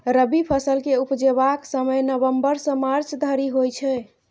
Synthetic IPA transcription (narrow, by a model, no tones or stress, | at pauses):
ɾəbipʰəsəlkeupd͡ʒebaksəməjnəbəmbəɾsə̃maɾt͡ʃʰd̪ʱəɾiɦojt͡ʃʰɛ